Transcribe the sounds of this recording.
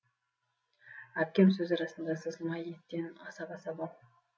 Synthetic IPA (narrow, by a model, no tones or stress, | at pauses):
æp̚kʲe̞ms̬ɵzɑɾɑsənd̪ɑsəzəlˠmɑjet̪ːe̞nɑsɑpɑsɑbɑlˠ